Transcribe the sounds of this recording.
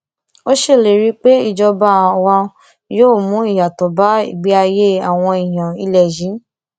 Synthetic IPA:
o˦ʃe˦˨le˨ɾi˨˦k͡pe˦i˦˨d͡ʒɔ˧bã˦˧wa˧ | joː˦˨mũ˨˦i˦˨ja˨tɔ˨ba˨˦ḭ˨ɡ͡bi˨˦a˧je˦a˨w̃ɔ̃˧i˨j̃ã˨i˧lɛ˨d͡ʒĩ˨˦

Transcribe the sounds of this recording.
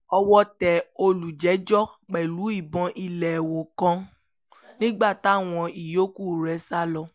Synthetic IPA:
ɔ˧wɔ˦tɛ˨o˧lu˨d͡ʒɛ˨˦d͡ʒɔ˦k͡pɛ˨lu˨˦i˦˨bɔ̃˧ʔi˧lɛ˨wo˨kɔ̃˧˦ | nĩ˦ɡ͡ba˦˨ta˨˦˨w̃ɔ̃˧i˨jo˦ku˦˨ɾɛ˧˦sa˦lɔ˧

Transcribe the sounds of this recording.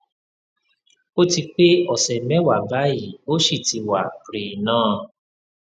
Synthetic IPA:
o˦ti˧k͡pe˦ɔ˨sɛ˨mɛ̃˦wa˨ba˨˦ji˨o˦ʃi˦˨ti˧˦wa˨ɾi˨nãː˦˨

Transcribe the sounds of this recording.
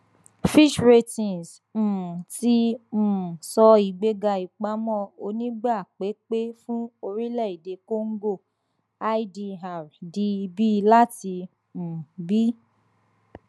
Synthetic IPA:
fi˦ʃɾe˧tĩ˨ns̩˨ | ti˦˨ | sɔ˧i˨ɡ͡be˧ɡa˧i˨k͡pa˨˦mɔ̃˦o˧nĩ˦ɡ͡ba˦˨k͡pe˨˦k͡pe˦fũ˦o˧ɾi˦lɛ˦˨i˨de˧ko˦ŋ̩˦ɡo˦˨ | a˦i˦di˧ɦa˨ɾdi˧bi˦la˦ti˧ | m̩˨bi˦

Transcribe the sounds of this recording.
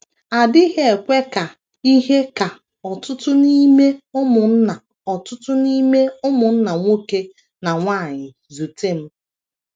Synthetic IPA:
a˨dɪ˦ɦe˦e˨kʷe˦ka˨ | i˦ɦe˦ka˨ | ɔ˨tʊ˦tʊ˦ni˦me˦ʊ˦mʊ˨n̩˦na˨ | ɔ˨tʊ˦tʊ˦ni˦me˦ʊ˦mʊ˨n̩˦na˨ŋʷo˦ke˦ | na˨ŋʷa˦˨ɲɪ˨ | zu˨te˦m̩˦

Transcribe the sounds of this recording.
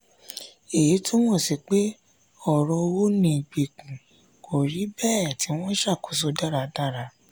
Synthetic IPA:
e˨i˨˦to˦mɔ̃˦˨si˨k͡pe˦ | ɔ˦˨ɾɔ˧o˧wo˦nĩ˧˨ɡ͡be˨kũ˨ | kʰo˨ɾi˨˦bɛ˦˨ti˨˦w̃ɔ̃˦ʃa˦˨ko˨so˧da˦˨ɾa˨˧da˦˨ɾa˧˦

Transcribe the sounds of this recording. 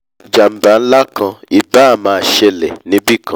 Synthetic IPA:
d͡ʒa˨m̩˨˦ba˨n̩˦la˦kã˧i˨ba˨˦a˨mãː˧˦a˨ʃe˧lḛ˨nĩ˨˦bi˦˨kʰã˧˦

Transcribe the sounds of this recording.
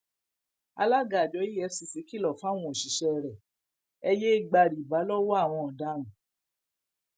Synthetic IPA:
a˧la˦ɡa˨d͡ʒɔ˨˦ji˦ɛ˧si˧si˨˦ki˦lɔ˨fa˦˨w̃ɔ̃˧˨o˨ʃi˨ʃɛ˧ɾɛ˨ | ɛ˧je˦i˦˨ɡ͡ba˧ɾi˨ba˨˦lɔ˦wɔ˦a˦˨w̃ɔ̃˧ɔ˨da˧nũ˨

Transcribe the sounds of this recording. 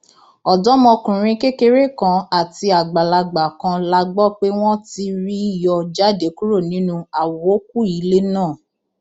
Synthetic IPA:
ɔ˨dɔ˨˦mɔ̃˧kũ˨ɾ̃ĩ˧ke˦ke˧˦ɾe˦˨kã˧a˦˨ti˧a˨ɡ͡ba˨la˧ɡ͡ba˨kã˧la˧ɡ͡bɔ˦k͡pe˦w̃ɔ̃˦ti˧ɾi˦i˦˨jɔ˧d͡ʒa˦de˨˦ku˦ɾo˦˨nĩ˨˦nũ˦a˨wɔ˨o˦k̚u˦i˨˦le˦nãː˦˨

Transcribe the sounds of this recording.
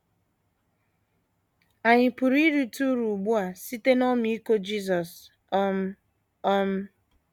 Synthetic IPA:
a˨ɲɪ˨pu˨ɾi˦ɾi˦tu˦ɾu˨ɡ͡bu˦a˨si˦te˦nɔ˦m˦i˦ko˦d͡ʒi˦zɔ˨s | m̩˦ | ɔ˦m̩˦

